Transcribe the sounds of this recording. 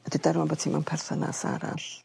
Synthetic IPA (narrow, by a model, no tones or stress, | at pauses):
ədidaɾwanbɔtʰimanpʰɛrθɔna̰sa̰ɾa̰ɬ